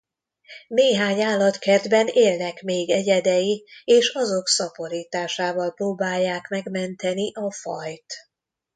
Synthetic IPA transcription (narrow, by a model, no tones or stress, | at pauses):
neːɦaːɲaːlːɒt̪kɛrd̪bɛneːlnɛkmeːɡɛɟɛd̪ɛjieːʃɒzo̞ksɒpo̞ɾiːt̪aːʃaːvɒlproːbaːjːaːkmɛɡmɛnt̪ɛniʔɒfɒjt̪